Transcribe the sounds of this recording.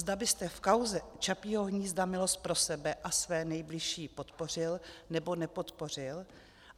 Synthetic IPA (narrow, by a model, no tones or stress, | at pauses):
zd̪abɪst̪ɛfkawzɛt͡ʃapioɦɲiːzd̪amɪlo̞st̪̚pɾo̞sɛbɛʔasvɛːnɛjblɪʃiːpo̞t̪po̞r̝ɪlnɛbo̞nɛpo̞t̪po̞r̝ɪl